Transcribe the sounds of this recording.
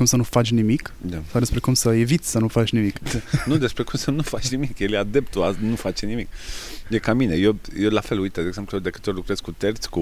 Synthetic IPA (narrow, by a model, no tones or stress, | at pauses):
kumsənufat͡ʃʲnimikd̪asawd̪espɾe̞kumsəe̞vit̪sʲsənufat͡ʃʲnimiknud̪espɾe̞kumsənufat͡ʃʲnimikjeljad̪e̞pt̪uanufat͡ʃenimikjekaminejejelafe̞lujt̪ed̪eɡze̞mplujed̪e̞kɨ̥t̪olukɾez̥kut̪ert̪sʲku